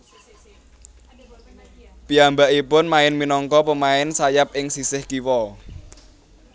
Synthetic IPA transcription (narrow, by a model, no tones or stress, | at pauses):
piambaʔipʊnmaɪnminɔŋkɔpəmaɪnsajap̚ʔɪŋsisɪhkiwɔ